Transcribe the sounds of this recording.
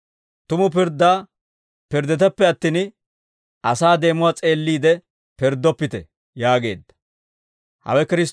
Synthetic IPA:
t̪ʊmʊp̬ɪɾd̪ːaː | pɪɾd̪ːɛt̪ɛpːɛɐt̪ːin | ʔɐsaːd̪e̞ːmʊwat͡sʼe̞ːlːiːd̪ɛ | pɪɾd̪ːɔpːɪt̪ɛ̰ | jaːɡe̞̰ːd̪ːɐ̥ | hɐ̰wɛkɪɾɪs

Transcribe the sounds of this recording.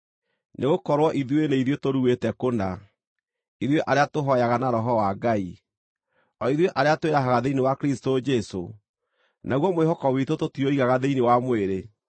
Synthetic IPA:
nʔeɣokɔɾwɔʔiðweneiðwetoɾuwetɛkona | iðweʔaɾeatoɦɔjaɣanaɾɔɦɔwaɡai | ɔiðweʔaɾeatoeɾaɦaɣaðeinewakɾistod͡ʒɛso | naɣwɔmoeɦɔkɔwitototioiɣaɣaðeinewamweɾe

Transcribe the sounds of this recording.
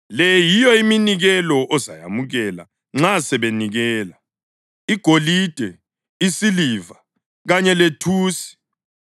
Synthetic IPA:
lɛjijɔiminiɣɛlɔʔɔza̰ja̰muɣɛla̰ | ŋ͡ǁasɛβeniɣɛːla | iɡ̥ʱolid̥ʱɛ | isiliːva | ɣaɲɛletʰuːsi̥

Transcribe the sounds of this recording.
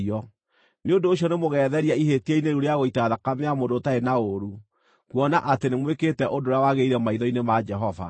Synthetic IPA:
ɔ | neondoːɕjɔnemoɣɛðɛɾiaiɦetiɛineɾuɾeaɣoitaðakameamodotaenaoɾu | kwɔnaʔatenemweketɛʔodoɾawaɣeiɾɛmaiðɔinemad͡ʒɛɦɔva̰

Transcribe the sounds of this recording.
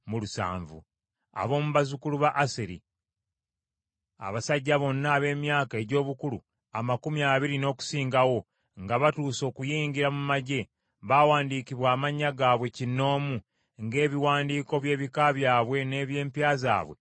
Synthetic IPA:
mulusa̰ːɱvṵ | a̰βo̞ːmuβazukuluβaʔaseɾḭ | a̰βasaɟːaβo̞nːaːβe̞ːmjaːkae̞ɟo̞ːβukulṵ | amakumiaβiɾino̞ːku̥siːŋɡawo̞ | ŋɡaβatuːso̞ːkujiːɲɟiɾamumaɟe̞ | βawaːndiːkiβwaːmaɲːaɡaːβwe̞cinːo̞ːmu | ŋɡe̞ːβiwaːndiːko̞βje̞ːβikaβjaːβwe̞ne̞ːβje̞ːmpjaːza̰ːβwe̞̰

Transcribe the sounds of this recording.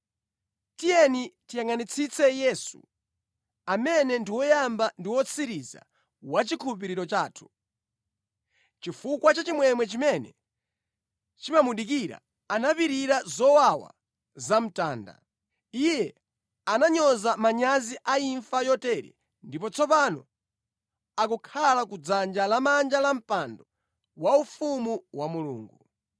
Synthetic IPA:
tijɛnitijaŋanit͡sʰit͡sʰɛjɛsṵ | amɛnɛndiwɔjambandiwɔt͡sʰiɾiza̰ | wat͡ʃikʰuup̬iɾiɾɔt͡ʃaːtʰu̥ | t͡ʃifukwat͡ʃat͡ʃimwɛmwɛt͡ʃimɛnɛ̰ | t͡ʃimamuɗik̬iɾa̰ | anapiɾiɾazɔwawa̰ | zam̩taːnda̰ | ijɛ | anaɲɔzamaɲaziʔaiɱfajɔtɛɾɛ̰ | ndipɔt͡sʰɔpanɔ | akukʰalakud͡zand͡ʒalamand͡ʒalam̩pandɔ | waufumuwamulṵːŋɡu

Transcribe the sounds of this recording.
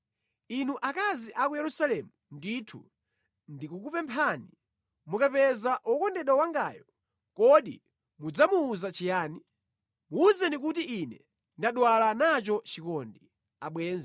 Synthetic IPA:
inuʔakaziʔakujɛɾusalɛmunditʰṵ | ndikukupɛmpʰani | mukapɛzaʔɔkɔndɛɗwawaŋɡaːjɔ | kɔɗḭ | mud͡zamuːzat͡ʃijaːni | muːzɛnik̬utiʔinɛ | ndaɗwalanat͡ʃɔt͡ʃikɔndi | aɓwɛːnz

